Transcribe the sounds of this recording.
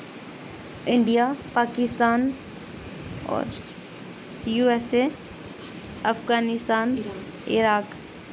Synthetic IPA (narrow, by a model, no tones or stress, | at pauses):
ɪ̃ɳɖijapaːkɪst̪aːn | ɔ̰ːɾ | juːese | ɐfɡaːnɪst̪aːn | ɪ̰ɾaːk